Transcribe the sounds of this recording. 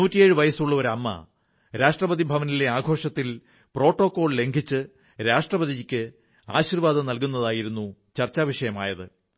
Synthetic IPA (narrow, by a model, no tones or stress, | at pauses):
nuːtːijeːɻɨʋɐjɐsuɭːɐo̞ɾɐmːɐ̰ | ɾaːʂʈrɐbɐðibʱɐʋɐnile̞aːɡʱo̞ːʂɐt̪ːil | pro̞ːʈːo̞kːo̞ːɭle̞ŋɡʱit͡ɕːɨ | ɾaːʂʈrɐbɐðikʲːɨ | a̰ːɕirʋaːd̪ɐnɐlkunːɐðaːjiɾunːut͡ɕɐrt͡ɕːaːʋiʂɐjɐmaːjɐðɨ̰